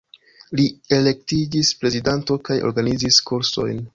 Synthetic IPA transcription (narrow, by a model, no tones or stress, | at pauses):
lie̞le̞k̚tiɡispɾe̞zidanto̞kajo̰ɾɡaniziskʰuɾso̞̰jn